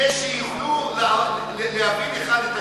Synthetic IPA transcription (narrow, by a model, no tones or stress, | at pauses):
eʃejivlula | leavideχad̪et̪a